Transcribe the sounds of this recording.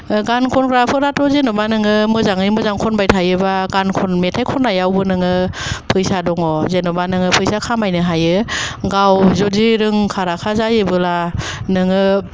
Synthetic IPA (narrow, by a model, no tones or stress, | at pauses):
ɡankʰɔnkʰɾapʰɯɾatɔzenɔbanɯŋɯmɯzaŋɯjmɯzaŋkʰɔnbajtʰajɯbaɡankʰɔnmetʰajkʰɔnːajawbɯnɯŋɯpʰɯjsadɔŋɔzenɔbanɯŋɯpʰɯjsakʰamajnɯɦajɯɡawzɔdiɾɯŋkʰaɾakʰazajɯbɯlanɯŋɯ